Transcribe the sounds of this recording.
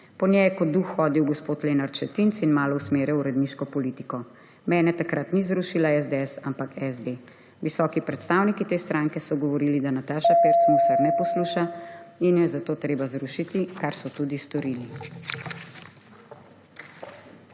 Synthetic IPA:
pɔnjɛjɛkɔd̪uxːɔːd̪iwɡɔspoːt̪leːnaɾt͡ʃɛt̪int̪sinmaːlɔwsmeːɾɛuɾɛd̪niːʃkɔpɔliːt̪ikɔ | mɛːnɛt̪akɾat̪nizɾuːʃilaɛzd̪eɛsampakɛzd̪e | ʋisɔːkipɾɛt̪st̪aːwnikit̪eːst̪ɾʔaŋkɛsɔɡɔʋɔɾiːlid̪anat̪aːʃapeɾt̪smusaɾnɛpɔsluːʃainjɛzat̪oːt̪ɾeːbazɾuʃit̪ikaɾsɔt̪uːd̪ist̪ɔɾiːli

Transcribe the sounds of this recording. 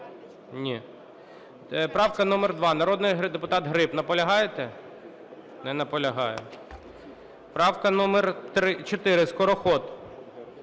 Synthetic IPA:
nʲi | pɾɑwkɐnɔmɛrd̪ʋɑnɐɾɔd̪nɪjɦd̪epʊt̪ɑt̪ɦɾɪpnɐpɔlʲɐɦɑjet̪ɛ | nɛnɐpɔlʲɐɦɑjʊ̰ | pɾɑwkɐnɔmɛrt̪ɾɪt͡ʃɔt̪ɪɾɪskɔɾɔxɔt̪

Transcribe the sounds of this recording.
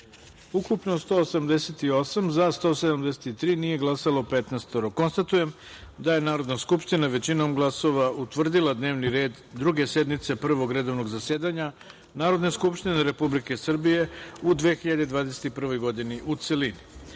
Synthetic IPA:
ukupno̞st̪oːsamd̪e̞se̞t̪io̞samzast̪o̞ːsed̪amd̪ese̥t̪it̪ɾiːniːje̞ɡlˠasalo̞pet̪nest̪oɾoko̞nst̪at̪uje̞m | d̪aje̞naːɾo̞d̪naskupʃt̪inaʋe̞t͡ɕino̞mɡlˠaso̞ʋaut̪ʋr̩d̪ilˠad̪ne̞ːʋniɾe̞ːd̪ | d̪ːɾuɡe̞se̞d̪mit̪se̞pr̩ʋo̞ɡɾe̞d̪o̞ʋno̞ɡzase̞ːd̪aɲa | naːɾo̞d̪neskupʃt̪ineɾe̞publike̞sr̩bije̞ud̪ʋe̞xiʎad̪ed̪ʋaːd̪eset̪ipr̩ʋo̞jɡo̞d̪iniʔut̪selini

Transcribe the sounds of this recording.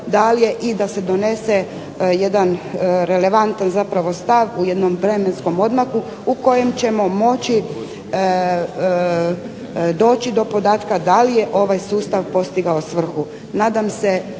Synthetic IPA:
d̪alije̞ʔid̪ase̞d̪o̞ne̞se̞ | je̞d̪anɾe̞le̞ʋant̪anzapɾaʋo̞st̪aʋuje̞d̪no̞mʋɾe̞me̞nsko̞mo̞d̪maku | uko̞je̞mt͡ɕe̞mo̞mo̞t͡ɕi | d̪o̞ːt͡ɕid̪o̞po̞d̪aːt̪kad̪alije̞ʔo̞ʋajsuːst̪aʋpo̞st̪iɡaosʋr̩xu | naːd̪amse̞

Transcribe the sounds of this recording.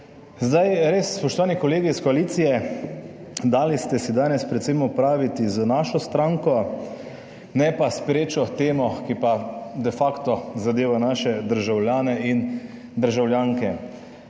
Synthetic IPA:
zd̪ajɾeːsːpɔʃt̪ɔʋaːnikɔleːɡiskɔaliːt̪sijɛ | d̪aːlist̪ɛsid̪aːnɛspɾɛt̪semɔpɾaːʋit̪izənaːʃɔst̪ɾaŋkɔ | nɛpaspɾeːt͡ʃɔt̪eːmɔkipad̪ɛfakt̪ɔzad̪eːʋanaːʃɛd̪əɾʒawljaːnɛin | d̪əɾʒawljaːŋkɛ

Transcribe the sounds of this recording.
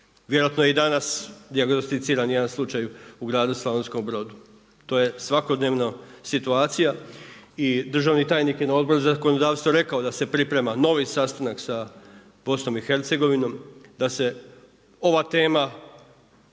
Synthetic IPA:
ʋje̞ɾoat̪nojeid̪anasd̪iaɡno̞st̪it̪siːɾanje̞d̪anslˠut͡ʃajuɡɾaːd̪uslaʋensko̞mbɾo̞d̪u | t̪o̞ːje̞sʋako̞d̪ne̞ːʋnasit̪uaːt̪sijaid̪r̩ʒaʋnit̪aːjnikje̞nao̞d̪̚boɾuzako̞nod̪aːʋst̪ʋo̞ɾe̞kao̞d̪ase̞pɾipɾe̞mano̞ʋisast̪anaksa | b̥o̞sno̞mixe̞ɾt̪se̞ɡo̞ʋino̞md̪ase̞ | o̞ʋat̪e̞ːma

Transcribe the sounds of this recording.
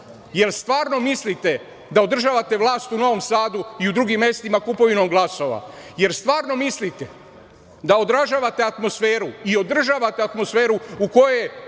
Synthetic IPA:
je̞ɾst̪ʋaːɾno̞mislit̪e̞ | d̪ao̞d̪r̩ʒaːʋat̪eʋlˠaːst̪uno̞ʋo̞msaːd̪uiud̪ɾuɡimːje̞st̪imakupo̞ʋinomɡlˠaso̞ʋa̰je̞ɾst̪ʋaːɾno̞mislit̪e | d̪ao̞d̪ɾaʒaːʋat̪e̞at̪mo̞sfe̞ːɾuio̞d̪r̩ʒaːʋat̪eat̪mo̞sfe̞ːɾuuko̞je

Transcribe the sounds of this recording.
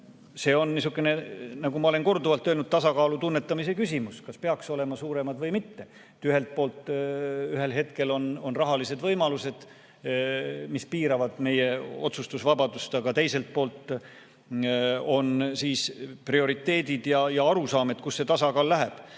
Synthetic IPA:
se̞ːo̞nnis̬ukːˑene̞nɑɡumɑo̞le̞nko̞rd̪uvɑlt̪ːˑølnud̪̥̚t̪ɑsɑkɑːlut̪unːet̪ːˑɑmisekysʲimuskɑspe̞ɑkso̞le̞mɑsuːɾe̞mɑd̪vɤjmit̪ːe̞ | et̪ːyɦe̞lt̪̚po̞ːlt̪ːˑyɦe̞lɦe̞t̪̚ke̞lo̞no̞nrɑɦɑlise̞d̪vɤjmɑluse̞d̪̥ | mispiːɾɑvɑd̪̥me̞je̞o̞̰t̪sust̪usvɑbɑd̪̥ust̪ɑɡ̥ɑt̪e̞jse̞lt̪̚po̞ːlt̪ˑ | o̞nsiːsprio̞ɾit̪ːe̞ːd̪id̪̥jɑjɑɑɾusɑːme̞d̪̥̚kusːe̞t̪ɑsɑkɑːlːæɦeb̥

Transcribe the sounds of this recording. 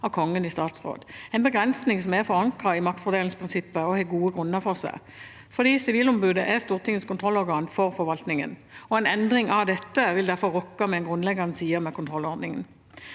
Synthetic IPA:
ɑkʰɔŋːənɪst̪ɑːt̪sʁo̰ːd̪ɛɪnbəɡʁɛnsnɪŋsɔmɛfɔɾɑŋkʁɑɪmɑk̚t̪fɔʁd̪eːlŋspʰʁɪnsɪpːəɔheːɡuːəɡʁʉnːəʁfɔʁsæ̰ɪ | fɔʁd̪iːsɪʋiːlʊmbʉːd̪əʔæst̪uːʁt̪ʰɪŋːəskʰʊnt̪ʰʁɔlːɔɾɡɑːnfɔʁfɔɾʋɑlt̪nɪŋə̰nɔɛnɛnd̪ʁɪŋʔɑd̪ɛt̪ːəʋɪld̪æɾfɔʁʁɔkːɑmɛɛnɡʁʉnlɛɡːəʁnəsiːəmɛkʰʊnt̪ʰʁɔlːɔʁd̪nɪŋə̰n

